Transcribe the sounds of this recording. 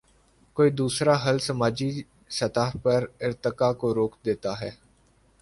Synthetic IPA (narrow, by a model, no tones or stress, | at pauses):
koːiːd̪uːsɾaːɦəlsəmaːd͡ʒi | sət̪aːɦpəɾɪɾt̪ɪkaːkoɾoːkd̪eːt̪aːɦɛː